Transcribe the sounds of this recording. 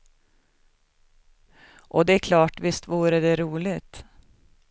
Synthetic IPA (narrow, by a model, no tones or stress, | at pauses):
ʔɔd̪ɛæɾkʰlɑːʈʋɪst̪vuːɾəd̪ɛɾuːlɪt̪